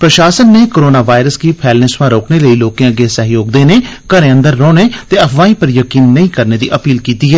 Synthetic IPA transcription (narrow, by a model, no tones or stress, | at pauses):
pɾəʃaːsənːeːkoːɾoːnaːʋaːɪɾəskiːpʰɛːlnẽːsʋãːɾoːkneːləiːloːkẽəɡeːsəɦjoːɡd̪eːneːkəɾẽːə̃nd̪əɾːɔːneːt̪eːəpʰʋãːĩːpəɾjəkiːnːəĩːkəɾneːd̪ḭːʔəpiːlkiːt̪iːɦɛː